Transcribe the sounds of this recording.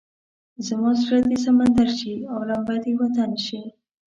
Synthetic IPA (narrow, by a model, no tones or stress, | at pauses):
zəmɑs̬uɾat̪is̬amand̪aɾʃiawlambat̪iwat̪anʃi